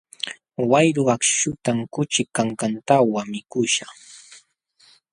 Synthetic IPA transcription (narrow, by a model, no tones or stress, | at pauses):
wajɾʊakʃʊt̪aŋkʊt͡ʃɪkaŋkant̪awamɪkʊʃaχ